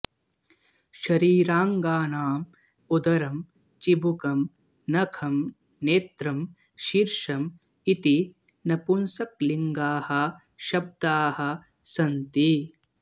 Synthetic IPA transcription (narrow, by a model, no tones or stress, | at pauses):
ʃɐɾiːɾaːŋɡaːnaːm | ud̪ɐɾɐm | t͡ʃibukɐm | nɐkʰɐm | neːt̪ɾɐm | ʃiːɾʂɐm | it̪i | nɐpunsɐk̚liŋɡaːhɐ | ʃɐb̚d̪aːhɐ̆ | sɐnt̪i